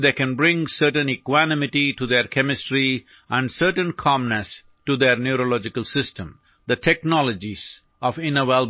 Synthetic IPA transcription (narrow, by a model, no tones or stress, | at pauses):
d̪eːkɛ̃nbɾɪ̃ŋsəɾʈə̃nɪkwænɪmɪʈiʈud̪eɾkʰɛmɪsʈɾi | ʔæ̃ɳɖsəɾʈə̃nkʰɑ̃mnəs | ʈud̪eɾnjuɾolɔd͡ʒɪkəlˠsɪsʈə̃m | d̪əʈʰɛknɔləd͡ʒiz̥ | ʔɔfɪ̃nəʋɛl